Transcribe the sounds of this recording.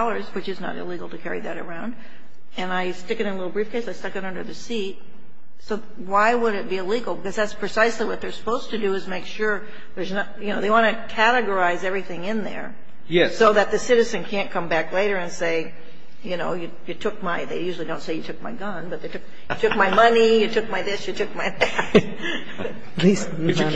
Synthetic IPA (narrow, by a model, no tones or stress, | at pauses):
lˠə˞zwɨt͡ʃɨznə̰ɾɪ̰liɡl̩ˠtʰɨkʰɛɹḭðɨɾə̰˞ãʊ̃nd | ɨ̃naɪstɪkɨ̃nɨ̃nəlɪɾl̩ˠbɹifkʰeɪsaɪstʌkɨ̃ɾʌ̃ndə˞ðɨsit̚ | soʊ | waɪwəɾɨt̚b̥iɪliɡl̩ˠbɨkʌzðætspʰɹ̥ɨsaɪsliwʌt̪̚ðə˞sə̥poʊz̥tʰɨdɨːzmeɪkʃʊɹ | ðə˞znətjɨnoʊðeɪwɑ̃ñɨkʰæɾɨɡə˞aɪzɛvɹiθɪ̃ŋɪ̃nðə̰˞ | jɛsoʊðɨt̪̚ðɨsɪɾɨzɨ̃nkʰæ̃nkʰʌ̃mbækleɪɾə˞ɨ̃nseɪ | jɨnoʊjɨ | jɨtʰʊk̚maɪðeɪjʉʒl̩ˠidõʊ̃ntseɪjɨtʰʊk̚maɪɡʌ̃nbʌt̪̚ðeɪtʰʊk̚ | jɨtʰʊk̚maɪmʌnijɨtʰʊk̚maɪðɪsjɨtʰʊk̚maɪðæt | lis